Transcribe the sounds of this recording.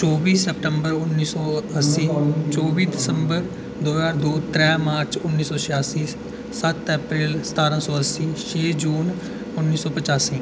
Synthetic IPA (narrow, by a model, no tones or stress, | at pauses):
t͡ʃɔːbiːsɛp̚ʈəmbəɾʊnːiːsɔːəsiːt͡ʃɔːbiːd̪ɪsəmbəɾ | d̪oːzaːɾd̪oːt̪ɾɛːmaːɾt͡ʃʊnːiːsɔːʃɪjaːsiː | sət̪ɛːpɾeːlsə̥t̪aːɾãːsɔːəsiːʃeːd͡ʒuːn | ʊnːiːsɔːpət͡ʃaːsiː